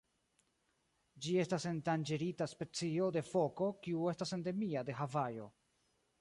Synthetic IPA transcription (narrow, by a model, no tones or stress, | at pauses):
d͡ʒie̞stase̞ntand͡ʒe̞ɾitaspe̞t͡sio̞de̞fo̞ko̞kiue̞stase̞nde̞miade̞ɦavajo̞̰